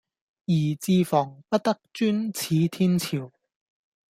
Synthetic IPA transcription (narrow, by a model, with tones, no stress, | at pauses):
jiː˨˩t͡siː˧fɔː˨˩ŋpɐ˥t̚t̪ɐ˥k̚t͡ʃyː˥nt͡sʰiː˨˧t̪ʰiː˥nt͡sʰiː˨˩w